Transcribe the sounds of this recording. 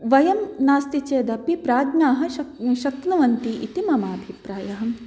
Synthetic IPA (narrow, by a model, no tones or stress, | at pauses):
ʋɐjɐmnaːst̪it͡ʃeːd̪ɐpipɾaːd̪naːɦɐ̆ʃɐʃɐknɐʋɐnt̪iʔḭt̪imɐmaːbʱipɾaːjɐɦɐ̆